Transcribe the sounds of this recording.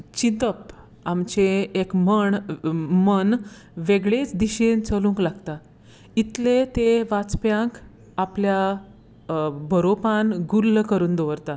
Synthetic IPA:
t͡ɕint̪əp̚ | amt͡ɕeːkməɳmən | ʋeɡɭet͡sd̪iɕent͡səlũːŋklaɡt̪a | it̪let̪eʋat͡spjãŋk | aplja | bʱəɾopanɡulːkəɾuːnd̪oʋəɾt̪a

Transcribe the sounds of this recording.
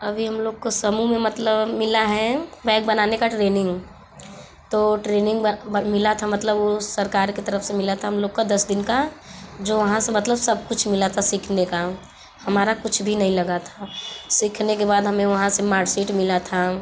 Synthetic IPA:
ɐbʱiɦɐmloːɡ̚kosəmumẽmɐt̪ləbmɪlaɦɛbɛ̃ːk̚bənaːnekaʈɾeːnɪ̃ŋɡ | t̪oːʈɾeːnɪ̃ŋɡmɪlat̪ʰamɐt̪ləbosɐɾkaːɾket̪əɾəfsemɪlat̪ʰaɦɐmloːɡkad̪ɐsd̪ɪnkad͡ʒoːʋɐɦãsemɐt̪ləbsəb̚kʊt͡ʃʰmɪlat̪ʰasɪkʰneka | hɐmaːɾakʊt͡ʃʰbʱinɐɦĩlɐɡat̪ʰasɪkʰnekebaːd̪ɦɐmẽʋɐɦãsemaːɾʈseʈmɪlat̪ʰa

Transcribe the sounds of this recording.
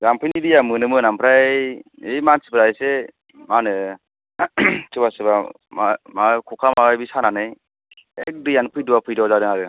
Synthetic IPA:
ɡampʰɯjnidijamɯnɯmɯnampʰɾajejmansi̥pɯɾajse | manɯ | tɯbasɯba | mamakʰɔkʰamawajbisananɯj | ek̚dɯjanpʰɯjduwapʰɯjdɔzaɾɯŋaɾɯ

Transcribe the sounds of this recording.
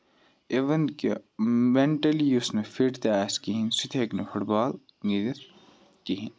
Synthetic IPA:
eʋɐnkemeɳʈɐljusnefiʈt̪aːskiɦinsit̪ʰeːknefuʈbaːl | ŋid̪iɾ | kiɦin

